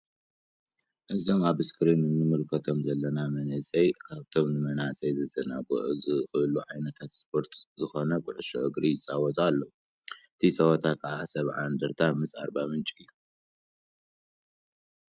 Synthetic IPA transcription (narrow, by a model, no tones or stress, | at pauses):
ʔɨzo̞maβɨskʰɨɾinːɨnɨmɨlkʰɐt̪ʰo̞mzɐlːɐnamɐnɐsʼɐjkʰaβt̪ʰo̞mnɨmɐnasʼɐjzɐzʰɐnaɡʼo̰ʔɨzɨxɨluʕajnɐt̪ʰat̪spʰo̞ɾt̪ʰzɨxo̞nɐkʼʊʕɨʃo̰ʔɨɡɾijɪt͡sʼawɔt̪ʼalːou | ɨt̪ʰit͡sʼɐwɐt̪ʰakʰɨʕasɐβʕand̪ɐɾt̪ʰamɨt͡sʼa̰ɾbamɨnt͡ʃʼiɨjːu